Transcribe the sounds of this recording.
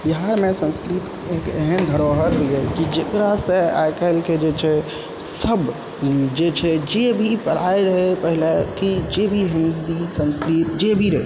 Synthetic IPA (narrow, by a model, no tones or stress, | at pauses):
biɦaɾmesə̃nskɾit̪ | ekeɦənd̪ʱəɾoɦəɾbʱiekid͡ʒekɾasə̃a̰jkəlked͡ʒet͡ʃʰɛ | səb | d͡ʒet͡ʃʰɛd͡ʒebʱipəɽ̤aeɾəɦepəɦilekid͡ʒebʱiɦind̪isə̃nskɾit̪d͡ʒebʱiɾəɦḛ